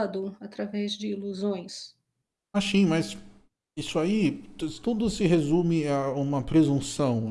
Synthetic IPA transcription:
d̪ʊat̪ɾavɛzd͡ʒɪiluzõj̃s | asĩmɐs | isʊai̥t̪ud̪ʊsɪɦezũmɪaũmɐpɾezũsɐ̃w̃

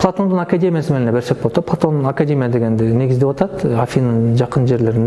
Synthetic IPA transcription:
pʰlˠat̪o̞nd̪əɴakad̪ʲe̞mʲijasəmelnebeɾsebolˠt̪ɑplˠat̪o̞nakadʲe̞mʲijad̪e̞ɡʲe̞nd̪ɪnːe̞ɡʲɪzd̪ewot̪ɑt̪afʲijnəɴʒɑqənʒe̞ɾle̞ɾɪn

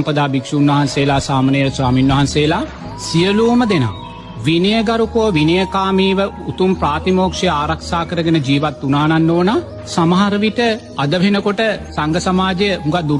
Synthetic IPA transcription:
mpəd̪aːbikʂuːnʋɐɦanseːlaːsaːmanejswaːminʋɐɦanseːlaː | sijəluːməd̪ena̰ː | ʋinɐjəɡɐɾukoːʋinɐjəkaːmiːʋəut̪umpɾaːt̪imoːkʂɐjaːɾɐkʃaːkəɾəɡənəd͡ʒiːʋat̪ːunaːnanːoːna | samaɦaɾəʋit̪ə | ɐd̪əʋʱenəkoʈəsaŋɡəsɐmaːd͡ʒejəɦuŋɡad̪u

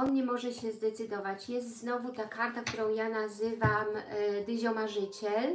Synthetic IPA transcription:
ɔnɲɛmɔʐɛɕɛzd̪ɛt̪sɘd̪ɔvat͡ɕjɛst̪znɔvut̪akaɾt̪ak̚t̪uɾɔ̃w̃janazɘvamd̪ɘʑɔmaʐɘt͡ɕɛl

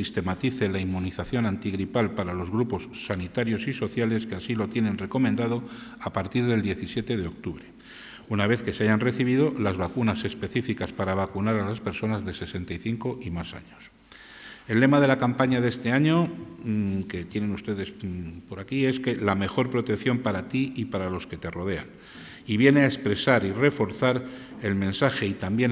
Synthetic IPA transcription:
ist̪e̞mat̪iθe̞laimːuniθaθjo̞nãnt̪iɣɾipalpaɾalo̞zɣɾupo̞sːanit̪aɾjo̞siso̞θjale̞skeasilo̞t̪je̞nẽ̞nre̞ko̞mend̪aðo̞ | apaɾt̪iɾðe̞ld̪je̞θisje̞t̪e̞ðe̞o̞k̚t̪uβɾe̞ | unaβ̞e̞θke̞seaʝanre̞θiβ̞iðo̞lazβakunase̞spe̞θifikaspaɾaβ̞akunaɾalaspe̞ɾso̞nazðe̞se̞se̞nt̪ajθiŋko̞ʔimasa̰ɲo̞s | e̞lːe̞maðe̞lakampaɲaðe̞st̪e̞aɲo̞ | ke̞t̪je̞ne̞nust̪e̞ðe̞spo̞ɾakie̞ske̞lame̞xo̞ɾpɾo̞t̪e̞kθjo̞mpaɾat̪iipaɾalo̞ske̞t̪e̞ro̞ð̞e̞a̰n | iβjeneaespɾe̞saɾire̞fo̞ɾθaɾe̞lmẽ̞nsaxe̞it̪ambjen

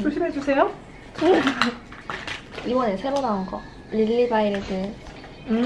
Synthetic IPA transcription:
uɭɕ͈ʰimɦed͡ʑusʰe̞jo | t͡ɕʰo | ibʌnɯsʰe̞ɾonaunɡʌ | lilːibaiɾɯdɯ

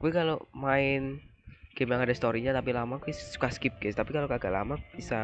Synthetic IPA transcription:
kuɛkalomaɪn | ɡ̥ɛmjaŋadast̪oɾiɲat̪apilamakuɛsu̥kaskɪp̚ɡɛt̪apikalokaɡa̰ʔla̰mab̥isa

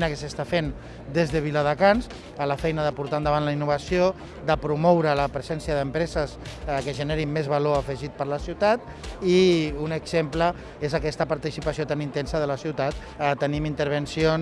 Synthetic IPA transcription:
nəkəsəst̪afen | d̪ezðəβ̞iləðəkans | ələfɛjnəðəpuɾt̪aənd̪əβanləinːuβ̞əsio | d̪əpɾumɔwɾələpɾəzɛnsijəðəmpɾɛzəskəʒəneɾimːezβaloəfəʒit̪̚pəɾləsiwt̪at̪̚ | iunəɡzemplə | ezəkɛst̪əpaɾt̪isipasijot̪anint̪ɛnsəðələsiwt̪at̪̚ | t̪ːənimint̪əɾβ̞ənsion

